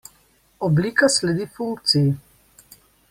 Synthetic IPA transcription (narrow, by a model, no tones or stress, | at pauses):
ɔbliːkaslɛd̪ifuŋk̚t̪siji